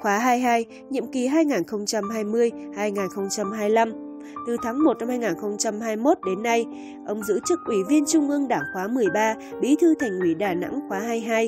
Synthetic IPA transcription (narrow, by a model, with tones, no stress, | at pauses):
xwaː˨˦ɦaː˧jɦaː˧j | ɲḭ˧˨əmki˨˩ɦaː˧jŋaː˨˩nxə˧wŋ͡mt͡ɕa˧mhaː˧jmɨ˧əjhaː˧jŋaː˨˩nxə˧wŋ͡mt͡ɕa˧mɦaː˧jla˧m | t̪ɨ˨˩t̪ʰaː˨˦ŋmo˨˩na˧mhaː˧jŋaː˨˩nxə˧wŋ͡mt͡ɕa˧mɦaː˧jmo˦˥t̚ɗe˨˦nːa˧j | ʔə˧wŋ͡mzɨ̰˧˥t͡ɕɨ˦˥k̚ʔwi˧˩vi˧ənt͡ɕʊ˧ŋ͡mʔɨ˧əŋɗaː˧˩ŋxwaː˨˦mɨ˨˩əjɓaː˧ɓi˨˦t̪ʰɨ˧t̪ʰa˨˩ŋ̟ʔwi˨˦ɗaː˨˩na̰˧˥ŋxwaː˨˦ɦaː˧jɦaː˧j